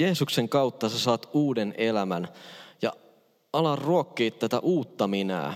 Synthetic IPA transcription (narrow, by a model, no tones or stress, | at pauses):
eːsukse̞ŋkɑwt̪ːɑsesɑːt̪uːdenelæmænjɑ̰ | ɑlɑrruokːeːt̪t̪ːæt̪æʔuːt̪ːɑminæ̰ː